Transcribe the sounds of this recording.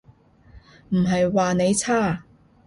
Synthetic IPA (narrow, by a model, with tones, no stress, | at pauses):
m̩˨˩ɦɐ˨jwaː˨ne˨˧jt͡sʰaː˥˩